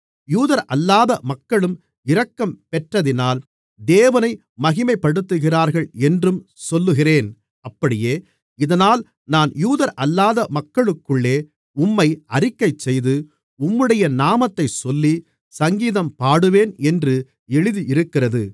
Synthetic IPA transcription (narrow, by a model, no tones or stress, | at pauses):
juːðɐɾʔɐlːaːðɐmɐkːɐɭɯm | ɪɾɐkːɐmpɛʈrɐðɪnaːl | d̪eːʋɐnɐɪ | mɐɣɪmɐɪpːɐɽɯt̪ːɯɣɪraːɾɣɐɭɛndrɯmsɔlːɯɣɪreːn | ɐpːɐɽɪjeː | ɪðɐnaːl | naːnjuːðɐɾʔɐlːaːðɐmɐkːɐɭɯkːɯɭːeː | ʊmːɐɪɐɾɪkːɐɪt͡ʃsɛjðɯ | ʊmːɯɽɐjɐnaːmɐt̪ːɐɪsɔlːi | sɐŋɡiːðɐmpaːɽɯʋeːnɛndrɯ | ɛɻɯðiʔɪɾɯkːɪrɐðɯ